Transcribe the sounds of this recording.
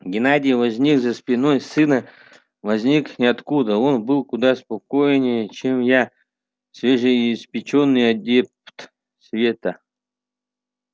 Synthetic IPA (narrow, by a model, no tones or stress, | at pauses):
ɡʲɪnadʲɪjvɐzʲnʲikzəspʲɪnojsɨnə | vɐzʲnʲiknʲɪɐt̪kud̪əo̞nbɨlˠkʊd̪aspɐkojnʲɪjət͡ɕemja | svʲeʐɨjspʲɪt͡ɕonːɨjɐdʲept̪ | svʲet̪ə